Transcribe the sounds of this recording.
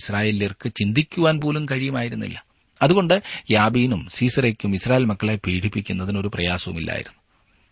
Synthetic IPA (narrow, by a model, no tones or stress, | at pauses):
sraːjeːlijɐrkɨt͡ɕind̪ʱikʲːuʋaːnpoːlumkɐɻijɐmaːjiɾunːḭlːɐ | ɐðuɣo̞ɳɖɨjaːbiːnumsiːsɐrekʲːumisraːjelmɐkːɐɭepiːɽipːikʲːunːɐðino̞ɾuprɐjaːsɐʋṵmilːa̰ːjḭɾunːu